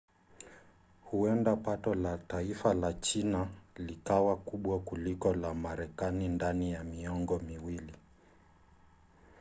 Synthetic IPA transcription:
huɛndapatɔlataifalat͡ʃinalikawakuɓwakulikɔlamaɾɛkanindanijamiɔŋɡɔmiwili

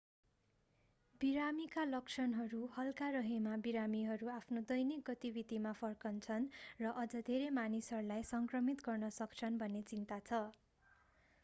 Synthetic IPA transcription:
biɾamikalʌk̚t͡sʰʌnɦʌɾuhʌlkaɾʌɦemabiɾamiɦʌɾuapʰnod̪ʌjnik̚ɡʌt̪ibid̪ʱimapʰʌrkʌnt͡sʰʌnrʌʔʌd͡zʌd̪ʱeɾemanisɦʌɾulajsʌŋkrʌmit̪ɡʌrnʌsʌkt͡sʰʌnbʱʌnːet͡sint̪at͡sʰʌ

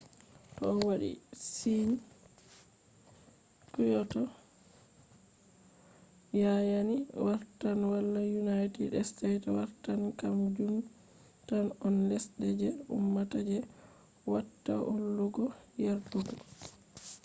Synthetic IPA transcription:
tɔɔwaɗḭsin | kujɔtɔ | jajaniwaɾtanwalːajunajtidɛstɛtwa̰ɾtankamd͡ʒum | tanɔnlɛsɗɛd͡ʒɛṵmːatad͡ʒɛ | watːa̰ʔɔlːuɡɔjaɾtuɡɔ

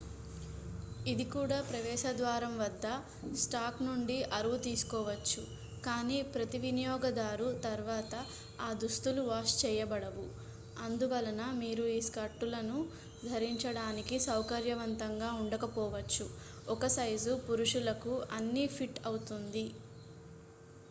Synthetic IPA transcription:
id̪ikuːɽaːpɾɐʋɛːʃɐd̪ʋaːɾɐmʋɐd̪ːɐ | sʈaːknuɳɖiʔɐɾuʋut̪iːsu̥kɔːʋɐt͡ʃːu | kaːniːpɾɐt̪iʋinijɔːɡɐd̪aːɾut̪ɐɾʋaːt̪ɐ | aːd̪ust̪uluʋaːʃt͡ʃɛːjɐbɐɽɐʋu | ɐnd̪uʋɐlɐnɐmiːɾuiːskɐɾʈːulɐnu | d̪ʱɐɾiɲt͡ʃɐɽaːnikisɐwkɐɾjɐʋɐnt̪ɐŋɡaːuɳɖɐkɐpɔːʋɐt͡ʃːu | ɔkɐsɐjzupuɾuʂulɐkuɐnːipʰiʈɐwut̪und̪i

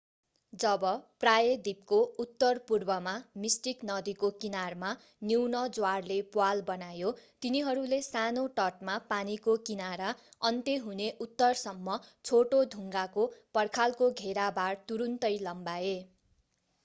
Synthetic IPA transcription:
d͡zʌbʌprajʌd̪ip̚kout̪ːʌrpurbʌmamisʈiknʌd̪ikokinarma | niwnʌd͡zwarlepwalbʌnajot̪iniɦʌɾulesanoʈʌʈ̚mapanikokinaɾaʌnt̪eɦuneʔut̪ːʌrsʌmːʌt͡sʰoʈod̪ʱuŋɡakopʌrkʰalkoɡʱeɾabart̪uɾunt̪ʌjlʌmbae

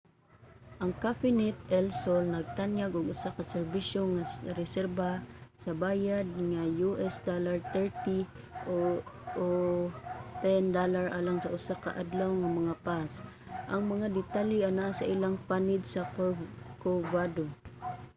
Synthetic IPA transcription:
ʔɐŋkafɪnɛt̪̚ɛlsolnɐɡ̚t̪anjaɡʊɡʔʊsakɐsɛɹbiʃoŋasɾɛsɛɾbasɐbaːjad̪̚ŋajuʔɛsd̪olaɹt̪ɛɹt̪i | ʔoo | t̪ɛnd̪olaɹʔalaŋsɐʔʊsaka̰ʔad̪lawŋɐmɐŋapas | ʔɐŋmɐŋad̪ɪt̪aliʔanaʔasɐ̰ʔɪlaŋpanɪd̪̚sɐ | kovad̪o

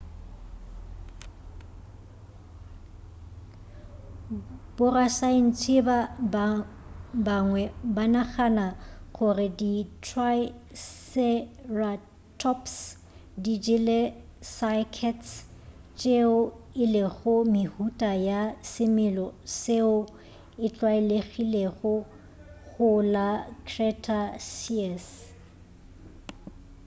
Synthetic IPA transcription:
b̥ʊrasaɪn̩t͡sʰɪba | baŋwɛbanaχanaɣʊrɪditʰwasɛra | tʰɔps | did͡ʒɪlesakʰɛt | t͡ʃʼeʊɪlɪɣʊmɪhutʼajasɪmɪlɔseʊ | ɪt͡ɬʼwaɪleɣileɣʊ | ɣʊlakʰrɛtʰʼasiɛs

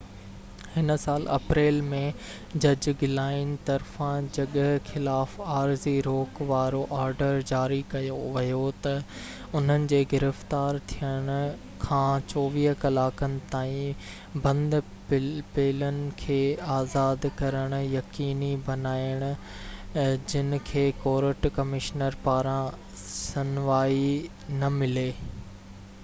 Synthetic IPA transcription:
hɪnsaːlɐ̰pɾeːlmẽ | d͡ʑɐd͡ʑɡɪlaːɪnɪ̆t̪ɐɾfãd͡ʑɐɠxɪlaːfaːɾziɾoːkʋaːɾoʔaːɾɖəɾd͡ʑaːɾikɐjoʋɐjot̪ɐ | ʊn̤ənɪ̆d͡ʑeːɡɪɾəft̪aːɾt̪ʰijəɽ̃ʊ̆ | kʰãːt͡ɕɔːʋiɦkɐlaːkənɪ̆t̪aːĩ | bɐ̃nd̪ | pɪpeːlənɪ̆kʰeːaːzaːd̪kɐɾəɽ̃ʊ̆jɐkiːnibɐnaːɪəɽ̃ʊ̆ | d͡ʑɪnɪ̆kʰeːkoːɾəʈkɐmɪʃnəɾpaːɾã | sɐnʋaːi | nɐmɪleː

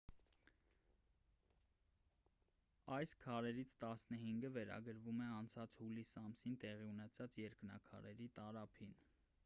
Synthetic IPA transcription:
ɑjskʰɑɾɛɾit͡sʰt̪ɑsnəɦiŋɡəvɛɾɑ̰ɡəɾvumɛɑnt͡sʰɑt͡shulisɑmsint̪ɛʁiunɛt͡sʰɑt͡sjɛɾknɑ̰kʰɑ̰ɾɛɾit̪ɑɾɑpʰin

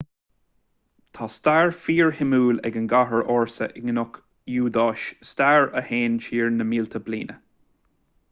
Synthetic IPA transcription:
t̪ʰɑːst̪aːɹfiːɹhɪmuːlɛ̰ɡənɡaɦəɹoːɹsə̰ʔɪɡənʊk | juːd̪ɑːʃst̪aːɹəheːnʃiːɹnəmiːlt̪ʰəblḭːnə

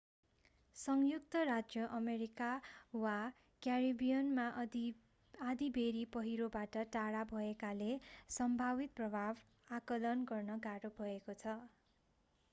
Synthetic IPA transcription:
sʌŋjukt̪ʌrad͡zjʌʔʌmeɾikawa | kjaribijʌnma | ad̪ibʱeɾipʌɦiɾobaʈʌʈaɽabʱʌekalesʌmbʱabit̪̚prʌbʱab | akʌlʌnɡʌrnʌɡaɾobʱʌekot͡sʰʌ

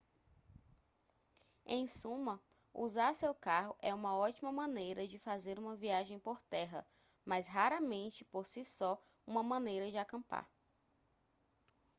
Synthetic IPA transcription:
ḛ̃j̃sũmɐ | uzaɾsewkaɦʊʔɛũmɐɔt͡ʃimɐmɐ̃nejɾɐd͡ʒɪfazeɾũmɐviaʒẽj̃poɾt̪ɛɦɐ̰ | mazɦaɾɐmẽnt͡ʃɪpoɾsisɔ | ũmɐmɐ̃nejɾɐd͡ʒɪakɐ̃mpa̰ɾ

